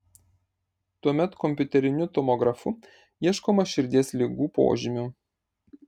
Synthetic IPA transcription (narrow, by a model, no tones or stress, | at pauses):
t̪uɔmʲɛt̪kɔmʲpʲʊt̪ʲɛɾʲɪnʲʊt̪ɔmɔɡɾɐfʊ | iɛʃkoːmɐʃʲɪɾʲd̪ʲiɛslʲiɡuːpo̰ːʒʲɪmʲʊ